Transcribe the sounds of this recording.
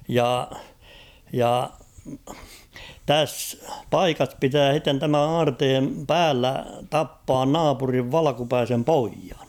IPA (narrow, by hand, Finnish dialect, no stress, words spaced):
jɑ jɑ tæsː pɑikɑs pitæː h̞itːen tæmæn̞ ɑːrteːm pæːlːæ tɑpːɑːn nɑːpuriʋ ʋɑlɑ̆kupæisem poijɑ̥n̥